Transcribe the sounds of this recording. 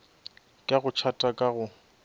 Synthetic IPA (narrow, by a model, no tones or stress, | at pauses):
kʼaɣʊt͡ʃʰatʼakʼaɣʊ